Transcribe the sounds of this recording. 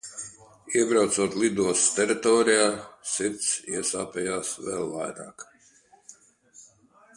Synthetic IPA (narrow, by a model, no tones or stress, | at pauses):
iɛbɾawt̪suɔt̪lid̪uɔst̪ʲɛɾit̪ɔːɾijaːsiɾt̪sḭɛsaːpʲɛjaːsvɛ̰lˠva̰jɾa̰ːk